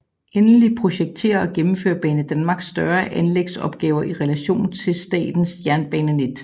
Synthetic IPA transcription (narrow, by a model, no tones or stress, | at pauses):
ʔenlipʰʁo̝ɕeɡ̥̚t͡sʰe̝̰ːɐɒ̽ɡ̥emm̩fø̰ːɐb̥ɛːnəd̥ænmɑ̈ːɡ̥sːd̥ɶɐʔænleɡ̥sɒ̽b̥̚ɡ̥ɛːʊɐʔiʁɛlæɕo̝̰ːn̩t͡sʰe̝lsd̥ɛ̰ːd̥n̩sjæɐnb̥ɛ̰ːnəne̝d̥